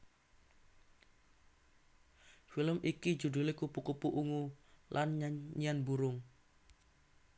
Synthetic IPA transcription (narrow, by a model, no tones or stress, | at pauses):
filəmikid͡ʒudulekupukupuʔuŋulʔanɲaɲianbuɾʊŋ